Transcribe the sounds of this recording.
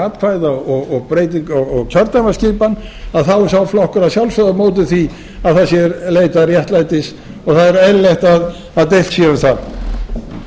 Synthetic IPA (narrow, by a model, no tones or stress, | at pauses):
aːt̪̚kʰvajðaɔɣɔɣpɾeːjt̪iŋkɔɔɣc̪ʰœɾt̪amascɪːpanːaðθawsawflɔhkʏɾaðsjawlsfœðamoːwt̪̬ɪθvi | aðθaðsjɛɾleːjt̪arjɛht̪lajt̪ɪs | ɔɣθaðɛɾɛlleht̪að | aðt̪ejl̥t̪sjɛʏmθað